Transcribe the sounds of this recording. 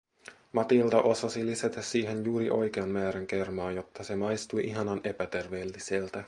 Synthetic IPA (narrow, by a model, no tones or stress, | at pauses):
mɑt̪ilt̪ɑʔo̞sɑsiliset̪æsːiːɦe̞njuːɾiʔo̞jk̟e̞ɑmmæːɾæŋk̟e̞rmɑːjo̞t̪ːɑse̞mɑjst̪ujʔiɦɑnɑne̞pæt̪e̞rʋe̞ːlːiselt̪æ